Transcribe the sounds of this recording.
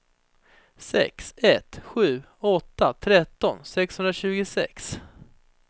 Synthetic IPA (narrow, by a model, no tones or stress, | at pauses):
sɛ̰ksɛt̪ɧʉ̟ː | ɔt̪ːat̪ʰɾɛt̪ːɔnsɛkshɵnɾaɕʉ̟ːɡɪsɛ̰ks